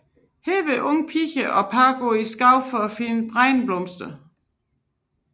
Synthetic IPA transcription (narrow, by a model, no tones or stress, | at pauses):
heːʋeʔɔŋpʰiçəʔɒ̽pʰɑ̈ːɡ̥oisɡ̥ɑ̈ʊfɒfinb̥ʁaɪnb̥lɔmsd̥ə